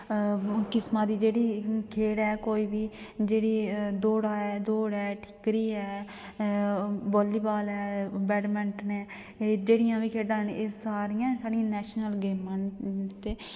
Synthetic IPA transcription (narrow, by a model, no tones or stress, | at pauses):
kɪsmãːd̪iːd͡ʒeːɽiːkʰeːɽɛːkoːiːbiːd͡ʒeːɽiːd̪oːɽaːɛːd̪oːɽɛːʈʰɪ̥kɾiːɛː | boːliːbaːlɛːbɛːɖmɛ̃ɳʈnɛː | d͡ʒeːɽɪjãːʋiːkʰeːɖãːneːsaːɾijãːsaːɽijãːnɛːʃnəlɡeːmãːnt̪eː